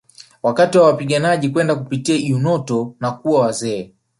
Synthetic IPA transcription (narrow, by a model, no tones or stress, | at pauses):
wakatiwawapiɠanaʄikwɛndakupitiaiunɔtɔnakuawazɛː